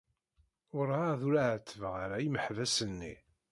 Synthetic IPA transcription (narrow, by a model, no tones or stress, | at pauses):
ʊɾaðuɾaʕət̪ːəvəʁaɾajiməħvæsənːḭ